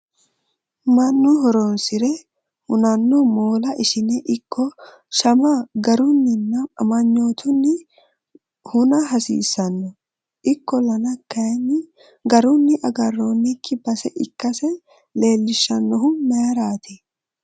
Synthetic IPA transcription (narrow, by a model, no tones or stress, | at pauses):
mɐnːʊɦɔɾonsɪɾɛ | hʊnɐnːʊmoːlɐʔɪʃɪnɛʔɪkːɔ | ʃɐmɐɡɐɾʊnːɪnːɐɐmɐɲːo̞ːt̪ʰʊnːɪ | hʊnɐɦɐsḭːsːɐnːɔ | ʔɪkːɔlɐnɐkːɐjnːɪ | ɡɐɾʊnːɪʔɐɡɐrːoːnːɪkːɪbɐsɛʔɪkːɐsɛ | le̞ːlːɪʃːɐnːɔɦʊmɛɐɾaːt̪ʰɛ